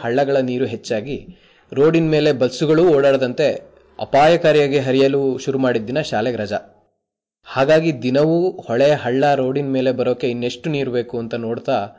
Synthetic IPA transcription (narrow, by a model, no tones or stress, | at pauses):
ɦɐɭːɐɡɐɭɐniːɾuɦet͡ʃːaːɡi | ɾo̞ːɽinme̞ːle̞bɐlsuɡɐɭuɔːɽaːɽd̪ɐnt̪e̞ | ɐ̰paːjɐkaːɾjaːɡeɦɐɾijɐluːʃuɾumaːɽid̪ːinɐʃaːleɡɾɐd͡ʒɐ | haːɡaːɡid̪inɐʋuhɔɭejɐɦɐɭːɐɾo̞ːɽinme̞ːle̞bɐɾoːkːe̞inːe̞ʂʈuniːɾube̞ːkuɐnt̪ɐnoːɽt̪aː